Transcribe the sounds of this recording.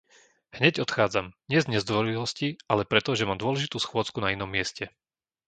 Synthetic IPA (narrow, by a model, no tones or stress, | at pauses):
hɲɛɟɔt̪xaːd͡zamɲɪɛzɲɛzd̪ʋɔɾilɔsciʔalɛpɾɛt̪ɔʒɛmaːmd̪ʊɔlɛʒit̪uːsxʊɔt͡skunainɔmːɪɛscɛ